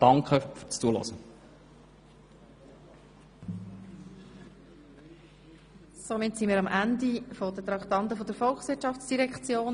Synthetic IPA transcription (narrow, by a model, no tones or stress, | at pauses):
d̥ɑŋkχəfyt͡st͡suəlɔ̰zə | somɪtsimiːɾɑmʔændifod̪ətɾɑkt̪ɑnt̪əfod̪əɾfɔlxsʋɪːtʃɑftt͡sd̥iɾɛkt͡sjoːn